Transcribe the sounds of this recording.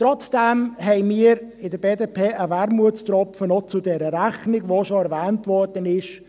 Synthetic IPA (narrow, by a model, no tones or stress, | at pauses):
trɔt͡sd̥ɛmɦɛɪmiːəɾɪdəbeːdepʰeːʔəvæɾmuətstɾɔpfənɔt͡sʊdɛɾəɾæχnɪɡvoʃoɛɾvɛːntvɔrd̥ənɪʃ